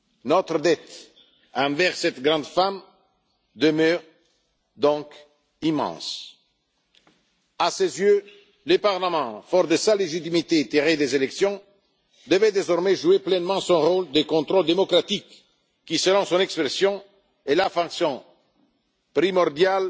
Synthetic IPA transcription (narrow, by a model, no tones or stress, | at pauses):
nɔt̪ʁəd̪ɛt̪ | ɑ̃vɛʁsɛt̪ɡʁɑ̃d̪fam | d̪əmœːʁ | d̪ɔ̃k | imɑ̰̃s | asezjø | ləpaʁləmɑ̃fɔʁd̪əsaleʒit̪imit̪et̪eʁed̪ezelɛksjɔ̃ | d̪əvɛd̪ezɔʁmɛʒueplɛnmɑ̃sɔ̃ʁold̪əkɔ̃t̪ʁɔld̪emɔkɾat̪ikː | isəlɔ̃sɔ̃nɛkspɾesjɔ̃ | ɛlafɑ̃ksjɔ̃ | pɾimɔʁd̪jal